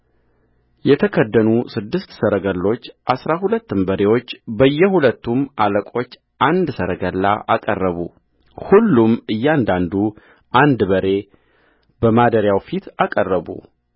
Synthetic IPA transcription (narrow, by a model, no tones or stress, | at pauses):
jɛt̪ʰəkʰəd̪ːənusɨd̪ːɨst̪səɾəɡəlːo̞t͡ʃːʔasɾahulət̪ːɨmbəɾe̞wo̞t͡ʃːbəjːɛhulət̪ːumʔaləkʼo̞t͡ʃː | ʔand̪səɾəɡəlːa̰ʔakʼərːəβu | hulːumɨjːɛand̪and̪u | ʔand̪bəɾe̞ | bəmad̪əɾjawfit̪akʼərːəβṵ